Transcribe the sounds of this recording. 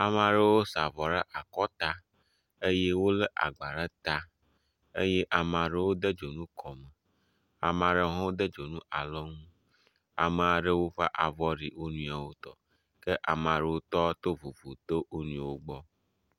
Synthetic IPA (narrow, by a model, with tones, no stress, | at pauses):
a˨mã˨ɖə˦wo˦sa˨vɔ˨ɖə˦ʔa˨kɔ˦t̪a˦ | e˦je˦wo˦le˦ʔa̰˨ɡ͡ba˨ɖə˦t̪a˦ | e˦je˦ʔa˨mã˨ɖə˦wo˦d̪ə˦d͡ʒo˨nũ˦kʰɔ˨mə˨ | a̰˨mã˨ɖə˨ɦɔ̃˦wo˦d̪ə˦d͡ʒo˨nũ˦a˨lɔ˦ŋũ˦ | a̰˨mə˨a˨ɖə˦wo˦ɸa̰˦ʔa˨vɔ˦ɾi˨wo˦nũ˦a˨wo˦t̪ɔ̰˨ | kə˦ʔa˨m˨a˨ɖe˦wo˦t̪ɔ˦t̪o˦vu˨vu˨t̪o˦ʔo˦nũ˦˨wo˦ɡ͡bɔ˦